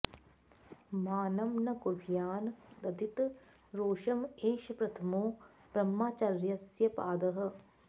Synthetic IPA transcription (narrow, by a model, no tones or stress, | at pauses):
maːnɐmnɐkobʱjaːnd̪ɐd̪it̪ | ɾoːʃɐmeːʃɐpɾɐt̪ʰɐmoː | b̥ɾɐmːaːt͡ʃaɾjɐsjɐpaːd̪ɐɦɐ̆